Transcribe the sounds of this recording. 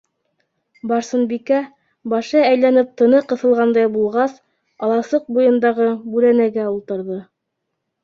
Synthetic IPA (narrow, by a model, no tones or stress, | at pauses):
bɑɾsɤ̆nbikæ | bɑʃɤæjlænɘp̚t̪ɤ̆nɤqɤ̆θɤ̆lˠʁɑnd̪ɑjbulˠʁɑs | ɑlˠɑsɤq̚bujɤ̆nd̪ɑʁɤbʉɾænæɡæulˠt̪ɤ̆ɾðɤ